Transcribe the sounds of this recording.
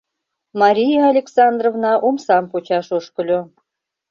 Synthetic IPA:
mɑɾʲijeɑlʲeksɑnd̪rovnɑʔomsɑmpot͡ɕɑʃoʃkə̆lʲo

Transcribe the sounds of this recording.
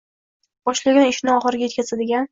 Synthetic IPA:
b̥ɒʃlaɡʲanɪʃɪnɪɒχɨɾɪɡʲajet̪kʲʰazad̪ɪɡʲan

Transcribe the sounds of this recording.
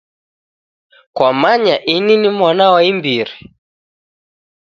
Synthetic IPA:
kwamaɲaʔininimwanawaimbiɾi

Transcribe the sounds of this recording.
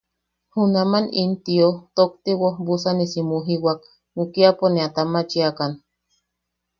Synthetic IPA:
hunamanint̪iot̪ok̚t̪iwobusanisimuɦiwak | ukiaponeat̪amat͡ʃiakan

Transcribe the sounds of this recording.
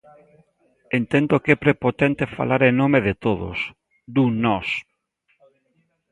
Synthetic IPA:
ent̪ɛnd̪okɛpɾepot̪ɛnt̪efa̰laɾenomeðɪt̪oðo̰s | d̪unɔs

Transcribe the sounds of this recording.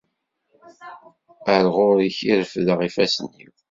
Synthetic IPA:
əɾʁʊɾiçiɾəfðəʁifæsənːḭw

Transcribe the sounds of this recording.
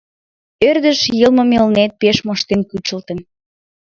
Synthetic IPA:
ørd̪əʃjɤlˠməmelnet̪̚peʃmoʃt̪enkyt͡ɕə̆lt̪ən

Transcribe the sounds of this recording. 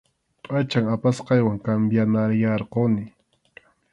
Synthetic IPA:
qʼat͡ʃaŋapasqɑjwaŋkambjanaɾjɑɾqonɪ

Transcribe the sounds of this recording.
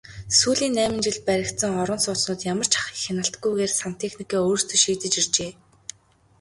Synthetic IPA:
suːɮiːnːæːmɪ̆nt͡ɕɪɮ̚pæɾʲɪ̆kt̪sə̆ŋɔɾə̆nsʊːt̪nʊːt̪jamə̆r̥t͡ɕʰḁχi̥ːkxanə̆ɬt̪ɡujɣeːrsan̥t̪ʰexnikiːoːrst̪ɵ̆ʃiːt̪ɘ̆t͡ɕir̥t͡ɕeː

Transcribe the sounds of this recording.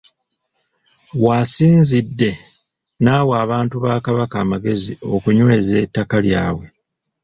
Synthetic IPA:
waːsiːnzidːe̞ | naːwaːβaːntuβaːkaβakaːmaɡe̞zio̞kuɲwe̞ːze̞ːtːakaljaːwe̞

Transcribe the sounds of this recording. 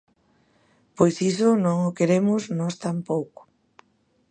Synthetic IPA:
pojsisʊnõŋʊkeɾemʊznɔst̪ampowkʊ̥

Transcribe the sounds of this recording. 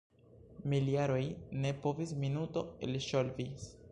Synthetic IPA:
miliaɾo̞jne̞po̞visminuto̞ḛlʃolvis

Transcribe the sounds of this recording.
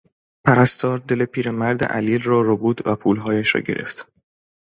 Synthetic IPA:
pʰæɾæst̪ɒːɾd̪e̞lepʰiːɾemæɾd̪ḛʔæ̰liːlrɒːɾobuːd̪̥væpʰuːlɦɒːjæʃɾɒ̰ːɟe̞ɾʔe̞̰ft̪

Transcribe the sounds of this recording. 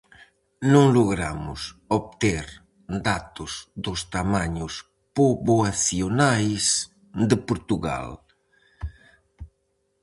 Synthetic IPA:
nõŋloɣɾamʊsoβ̚t̪eɾ | d̪at̪ʊzd̪ʊst̪amaɲʊs | poβoaθjonajs | d̪ɪpoɾt̪uɣa̰l

